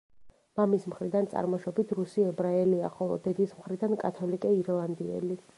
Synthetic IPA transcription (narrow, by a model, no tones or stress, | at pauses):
mamismχɾid̪ant̪sʼa̰ɾmɔʃɔbit̪ʰɾusiɛbɾaɛliaχɔlˠɔ̰d̪ɛd̪ismχɾid̪ankʼat̪ʰɔlikʼɛiɾlˠand̪iɛ̰li